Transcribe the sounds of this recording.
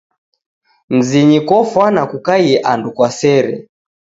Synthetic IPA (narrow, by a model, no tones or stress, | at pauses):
n̩ziɲikɔfwanakukajɛʔandukwasɛɾɛ̰